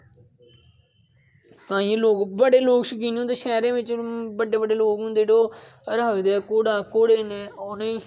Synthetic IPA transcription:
t̪ãːĩẽloːkbəɽeːloːkʃəkiːnɦʊ̃nd̪eːʃɛːɾẽːʋɪt͡ʃbəɖeːbəɖeːloːkɦʊ̃nd̪eːɽoː | əɾɦəkd̪eːkoːɽaːkoːɽeːneːoːneiː

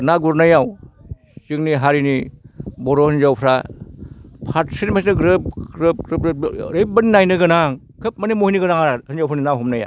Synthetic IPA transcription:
naɡuɾnajaw | sɯŋniɦaɾinibɔɾohɯnzawpʰɾa | pʰatsinmasnɯɡɾɯp̚ɾɯp̚ɾɯpɾejp̚bɯninajnɯɡɯnaŋ | kʰɯp̚manimohiniɡɯnaŋahɯnzawpʰɾninaɦɔmnaja̰

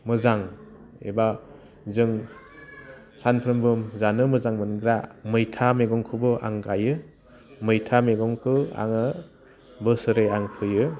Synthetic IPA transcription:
mɯzaŋ | ḛba | zɯŋ | sanpʰɯɾɯmbɯmzanɯmɯzaŋmɯnɡɾamɯjtʰameɡɔŋkʰɯbɯʔa̰ŋɡajɯ | mɯjtʰameɡɔŋkʰɯa̰ŋɯ | bɯsɯɾeaŋpʰɯjɯ

